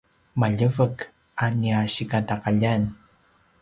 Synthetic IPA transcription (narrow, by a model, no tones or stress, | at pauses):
maʎəvək | aniaɕikataqaʎan